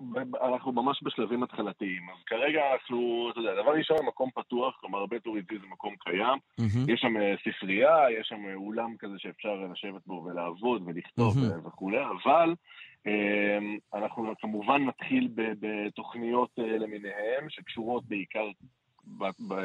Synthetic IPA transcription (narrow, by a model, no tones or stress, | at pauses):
beanaχnumamaʃbeʃlavimat̪χalat̪iimazkaʁe̞ɡaːnaχnut̪od̪ead̪avaʁiʃonemako̞mpat̪uaχklomaʁbet̪uʁizizemako̞mkʰajamjɛʃːamesifʁiajeʃːamulamkazeʃeːfʃaʁlaʃe̞vet̪̚bo̞velaːvo̞d̪ve̞liχt̪o̞veveχule̞avalemanaχnukamuvanːat̪χilbebet̪o̞χnijo̞t̪ele̞mine̞he̞mʃe̞kʃuʁo̞t̪̚beikaʁ | babe